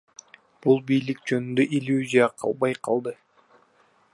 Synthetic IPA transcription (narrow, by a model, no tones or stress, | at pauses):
b̥ulˠbijlik̚d͡ʒø̞nynd̪øʔilʲjuzʲijɑqʰɑ̰lˠbɑjqʰɑlˠd̪ɯ